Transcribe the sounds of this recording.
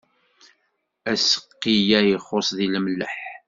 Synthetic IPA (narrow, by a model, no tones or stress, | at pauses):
æsə̥qːijæjiχosˤðiləmləħ